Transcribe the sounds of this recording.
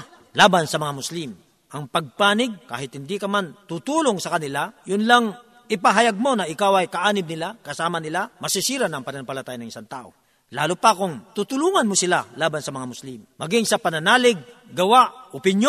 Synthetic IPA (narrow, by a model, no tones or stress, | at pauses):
laːbansɐmɐŋamʊslim | ʔɐŋpɐɡ̚paːnɪɡ̚ka̰ːɦɪt̪̚hɪnd̪ikɐmant̪ut̪uːloŋsɐkɐnɪlajʊnlaŋ | ʔɪpaɦɐjaɡ̚mo̞nɐʔɪkawɐjkɐʔaːnɪm̚nɪlakɐsaːmɐnɪlamɐsɪsiːɾanɐŋpɐnɐnɐmpɐlɐt̪aːjɐnɐŋɪsant̪a̰ːʔo̰ | la̰ːlʊpɐkʊŋt̪uːt̪ʊluːŋɐnmosɪlalaːbansɐmɐŋamʊslimːɐɡɪŋsɐpɐnɐnaːlɪɡ̚ːɐwaʔʔopɪnjo